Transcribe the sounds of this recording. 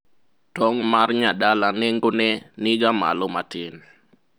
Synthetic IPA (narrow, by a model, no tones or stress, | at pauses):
tɔŋmarɲadalanɛŋɡonɛnɪɡama̰lomatɪn